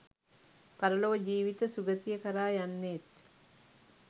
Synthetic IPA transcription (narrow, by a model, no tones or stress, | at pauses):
paɾəloːəd͡ʒiːʋit̪əsuɡət̪ijəkəɾaːjanːet̪